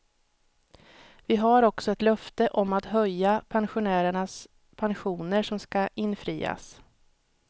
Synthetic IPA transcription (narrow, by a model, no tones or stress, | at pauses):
vɪɦaɾɔksɔɛt̪lœft̪əʔɔmat̪ɦœjːapʰɛnɧʊnæːɾəɳas | pʰanɧuːnəʂɔmskaʔɪnfɾiːa̰s